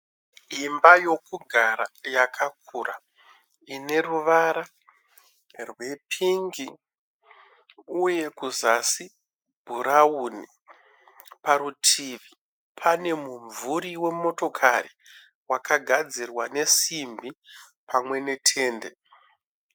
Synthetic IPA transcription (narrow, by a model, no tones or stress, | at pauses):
imbajo̞kuɡʱaɾajakʰak̚ura̰ | ine̞ruʋaɾa | rwe̞pʰiŋɡi | uje̞kuzasi | bʱuɾauni | paɾutʰiʋi | pʰane̞muɱvuɾiwe̞mo̞to̞kʰari | wakaɡʱad͡zirwane̞simbi | pʰamwe̞ne̞tʰe̞ːnde̞̰